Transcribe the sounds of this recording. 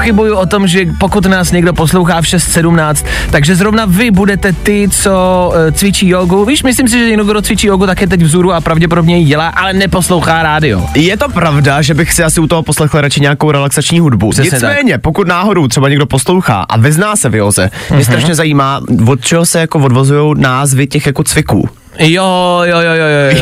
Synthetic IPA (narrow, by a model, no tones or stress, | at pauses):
xɪbujuʔot̪o̞mʒɛpokut̪naːsɲɛɡdo̞poslowxaːfʃɛst̪sɛdumnaːt͡st̪ːaɡʒɛzɾovnavɪbudɛt̪ɛt̪ɪt͡so̞t͡svɪt͡ʃiːjoɡuviːʃmɪs̬lims̬ɪʒɛjɪnukɡɾot͡svɪt͡ʃiːjoːɡut̪akɛːt̪̬ɛcvzuɾuapɾavɟɛp̬odo̞bɲɛjiɟɛlaːʔalɛnɛpo̞slowxaːɾaːdɪo̰jɛt̪o̞pɾavdaʒɛbɪxsɪʔasɪut̪oɦoposlɛxlɾat͡ʃɪɲɛakowɾɛlaksat͡ʃɲiːɦudbuɲɛɪsɲt͡st̪amɛːɲɛpokut̪naːɦo̞do̞wt̪rɛbaɲɛɡdo̞poslowxa̰ːʔa̰vɪznaːsɛvɪjozɛ̰mɲɛst̪ɾaʃɲɛzajiːmaːvot̪̚t͡ʃɛɦosɛjakovodvozujo̞wnaːzvɪcɛxjakot͡svɪkṵː | jojojojojo